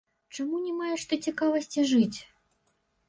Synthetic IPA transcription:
t͡ʂamunʲɛmajɛʂt̪ɔt͡sʲikavɐsʲt͡sʲiʐɨt͡sʲ

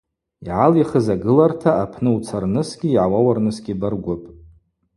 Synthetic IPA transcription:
iʕaliχəzaɡɨlartʰaapʰnɨut͡sʰarnɨsɡʲiːʕawawarnɨsɡʲibarɡʷʊpʼ

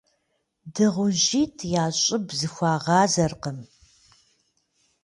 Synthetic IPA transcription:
dɨʁʷʊʑiːtʰjaːɕʼɪbzɨxʷɑːʁɑːzɐrqəm

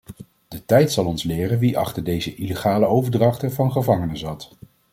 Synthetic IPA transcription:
d̥ətɛjtsɑlˠɔnslɪːrənʋiʔɑ̰χtəɹdejzəʔileχaːləowvəɹdrɑχtəvɑnχəvɑŋənəzɑt

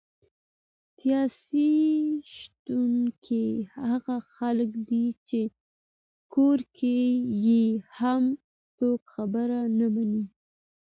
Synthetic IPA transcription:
sijɑsiʃt̪unkʰehaɣaxalkd̪it͡ʃe | koɾkʰejeham | t͡sokxabəɾanamani

